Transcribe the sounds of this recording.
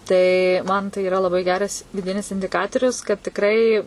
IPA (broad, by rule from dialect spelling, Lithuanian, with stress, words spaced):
ˈtɐɪ ˈmɐn tɐɪ iːˈrɐ lˠɐˈbɐɪ ˈɡʲæːrɐs ʋʲɪˈdʲɪnʲɪs ɪnʲdʲɪˈkɑːtoːrʲʊs kɐt tʲɪkˈrɐɪ